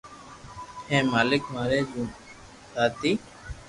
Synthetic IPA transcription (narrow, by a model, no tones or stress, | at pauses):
hẽːmaːlɪkmaːɾeːd͡ʒũː | saːt̪iː